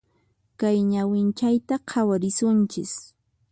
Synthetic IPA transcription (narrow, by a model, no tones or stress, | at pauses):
kajɲawɪnt͡ʃajt̪aqʰawaɾɪsʊnt͡ʃɪ̰s